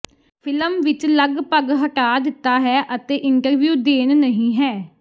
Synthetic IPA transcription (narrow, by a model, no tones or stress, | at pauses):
pʰɪləmʋɪt͡ʃləɡpəɡɦəʈaːd̪ɪt̪ːaːɦɛːʔət̪eːʔɪɳʈəɾʋjuːd̪eːnnəɦĩːɦɛː